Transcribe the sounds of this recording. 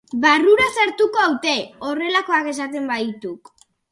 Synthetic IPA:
baruɾasaɾt̪uko̞awt̪e̞o̞re̞lako̞ake̞s̬at̪e̞mbait̪uk

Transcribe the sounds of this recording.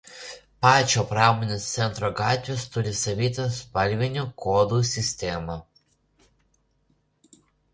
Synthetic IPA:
pɑːt͡ʃʲoːpɾɑːmoːnʲest̪sʲɛnt̪ɾɔɡɑːt̪ʲʋʲeːst̪ʊɾʲɪsɐʋʲiːt̪ʲɐspɐlʲʋʲɪnʲukoːd̪uːsʲɪsʲt̪ʲeːmɐ

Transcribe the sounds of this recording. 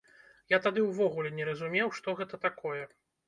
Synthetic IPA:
jat̪ad̪ɨwvɔɣulʲɛnʲɛɾɐzumʲɛwʂt̪ɔɣɛt̪ɐt̪akʰɔjɛ

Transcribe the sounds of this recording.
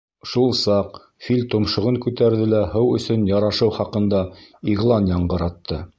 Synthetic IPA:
ʃulˠsɑq | filʲt̪ŏmʃŏʁɤŋkʉt̪æɾðɘlæhɤwɵ̆sɵnjɑɾɑʃɤwχɑqɤ̆nd̪ɑiʁlˠɑnjɑɴɢɤ̆ɾɑt̪ʰːɤ

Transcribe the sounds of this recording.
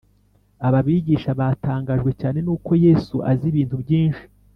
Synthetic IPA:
aβaβiːɟiːʃaβataːŋɡaːʒɡwe̞caːne̞nuːko̞je̞ːsuʔa̰ziβiːntubɟiːnʃi̥

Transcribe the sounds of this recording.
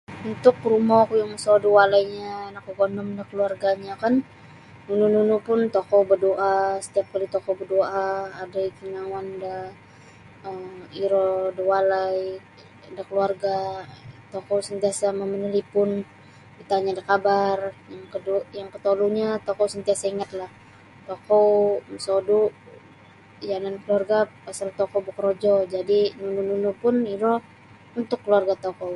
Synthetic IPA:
unt̪ʊk̚rumɔkujaŋməsɔdəwalajɲanakoɡonɔmdakəluarɡaɲakan | nunununupʊnt̪okɔbədoʔasə̥t̪iap̚kalit̪okɔbədoʔaːdaikinawanda | əiɾɔdəwalai | dakəluarɡat̪okowsənt̪iasaməmənəlipʊn | bit̪aɲadakabarjaŋkədujaŋkət̪oluɲat̪okowsənt̪iasaiŋat̪̚lah | t̪okowmsodu | janankəluarɡapasalt̪okobəkəɾod͡ʒɔd͡ʒadinunununupʊniɾɔ | unt̪ʊkːəluarɡat̪okow

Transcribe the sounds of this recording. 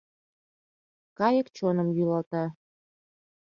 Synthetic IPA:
kɑjəkt͡ɕonəmjylɑlt̪ɑ

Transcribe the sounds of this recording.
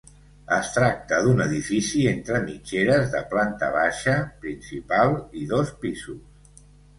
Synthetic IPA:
əst̪ɾak̚t̪əðunəð̞ifisient̪ɾəmit͡ʃeɾəzðəplant̪ə̰βaʃəpɾinsipalˠiðospizus

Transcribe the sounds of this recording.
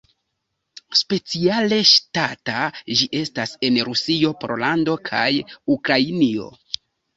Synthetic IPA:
spe̞t͡siale̞ʃtatad͡ʒiʔe̞stase̞nɾusio̞pɾo̞̰lando̞kʰajukɾainio̞̰

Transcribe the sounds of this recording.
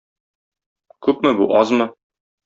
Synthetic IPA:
kʉpmɘbuʔɒzmɤ

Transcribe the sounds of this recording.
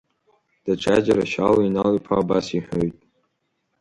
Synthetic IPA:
d̥aʈ͡ʂʷʰad͡ʒaɾaʃaloinalipʰaːbasiħᶣojtʼ

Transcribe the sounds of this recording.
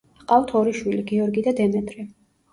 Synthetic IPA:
qʼaft̪ʰɔɾiʃwiliɡɛɔɾɡid̪ad̪ɛmɛt̪ʼɾɛ

